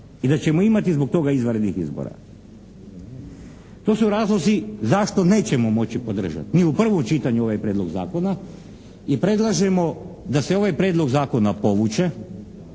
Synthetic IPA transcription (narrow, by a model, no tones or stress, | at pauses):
id̪at͡ɕe̞moimat̪izbo̞k̚t̪o̞ɡaizʋaɾed̪nixizbo̰ɾa̰ | t̪o̞ːsuɾaːzlˠozizaʃt̪o̞ne̞ːt͡ɕe̞mo̞mo̞t͡ɕipo̞d̪r̩ʒa̰t̪niupr̩ʋomt͡ʃit̪aɲuo̞ʋajpɾʲe̞ːd̪lo̞ɡza̰ːko̞na | ipɾe̞d̪lˠaʒe̞mo̞d̪ase̞o̞ʋajpɾeːd̪lˠo̞ɡzaːko̞napo̞ʋut͡ʃe̞